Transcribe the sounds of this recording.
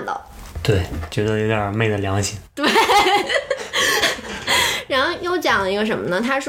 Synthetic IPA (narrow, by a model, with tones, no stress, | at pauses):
nd̪ɑ̰˨˩ | t̪we˥˩ɪt͡ɕɥɛ˧˥d̪ə˧jo˧˥ʊt̪ja˨˩me˥˩ɪd̪ə˩ljɑ˧˥ŋɕji˨˩˦ŋt̪we˥˩ɪ | ɻa˧˥nxo˥˧ʊjo˥˩ʊt͡ɕjɑ˨˩ŋlə˦˩i˧˥ɡə˧ʂ̬ə˧˥nmə˧nə˨t̪ʰa˥ʂ